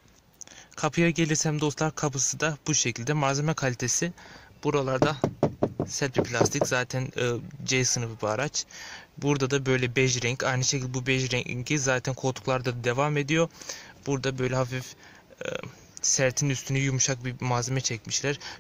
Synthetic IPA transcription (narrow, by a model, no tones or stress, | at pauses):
kʰapʰɯjaɟe̞lʲiɾsæmd̪o̞st̪lˠaɾkʰapɯsɯd̪ab̥uʃecʰilʲd̪ɛmaɾzemɛkʰalʲit̪ʰe̞sib̥uɾalˠaɾd̪a | sɛt̪̚bipʰlʲast̪ʰiczaːt̪ʰænːd͡ʒɛjsɯnɯfɯbaɾat͡ʃbuɾd̪ad̪abø̞jlʲɛbɛʒɾɛɲcajnɯʃecʰʲilʲd̪ɛbubɛʒɾɛɲɟizaːt̪ʰænkʰo̞lˠt̪ʰu̥klˠaɾd̪ad̪d̪e̞vame̞d̪ijob̥uɾd̪abø̞jlʲɛhafif | sæɾt̪ʰinyst̪ʰynyjumuʃak̚bimaːzemɛt͡ʃʰɛcmiʃlʲæɾ̥